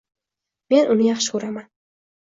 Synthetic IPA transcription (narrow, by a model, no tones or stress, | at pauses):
me̞nʔʊnɪjɑχʃɪ̥kʊɾaman